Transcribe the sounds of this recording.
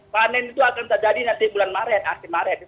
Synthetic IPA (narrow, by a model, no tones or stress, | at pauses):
panɛnit̪uakant̪ard͡ʒadinant̪ibulanmaɾɛnat̪imaɾɛn